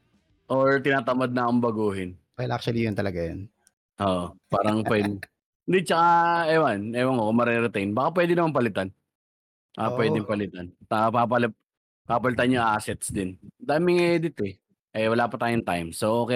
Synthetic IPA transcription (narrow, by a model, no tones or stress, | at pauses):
ʔoɹt̪ɪnaːt̪ɐmad̪̚nɐɐkoŋbɐɡuːhɪnbajlʔak̚t͡ʃuwɐlijont̪ɐlɐɡajon | ʔoːʔopaːɾɐŋpwɛd̪ɪ | nd̪ɪt͡ʃɐkaɛwanɛwɐnokʊmːɐɾɛɾɛt̪ɛjnbaːkap̬wɛːd̪ɪnɐmampɐlɪt̪an | bbakapwɛd̪ɪŋpɐlɪt̪ant̪apap̬ɐlɛp̚ | paːpɐlɪt̪anjʊŋʔaːsɛt̪sd̪ɪnd̪aːmɪŋʔɛd̪ɪt̪ɛ | ʔɐjwɐlaːpɐt̪aːjʊŋt̪ajmsoʔokɛ